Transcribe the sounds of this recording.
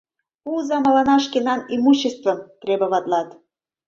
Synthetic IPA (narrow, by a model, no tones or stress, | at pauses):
uzɑmɑlɑnɑʃkenɑnimuɕːest̪vɤ̆mt̪ɾebɤ̆βɑt̪lɑt̪